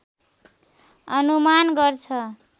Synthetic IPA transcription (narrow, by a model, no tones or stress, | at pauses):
ʌnumanɡʌrt͡sʰʌ